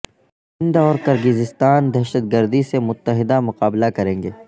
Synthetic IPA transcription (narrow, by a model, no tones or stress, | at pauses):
ɪ̃nd̪ɔːɾqɐɾɡɪzɪst̪aːnd̪ɛɦʃət̪̚ɡəɾd̪isemʊt̪ːəɦɪd̪amʊqaːblakɐɾẽːŋɡeː